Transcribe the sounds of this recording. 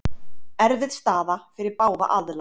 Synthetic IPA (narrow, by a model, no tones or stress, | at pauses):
ɛɾvɪðst̪aːðafɪɾɪɾpaːwva̰ʔaðla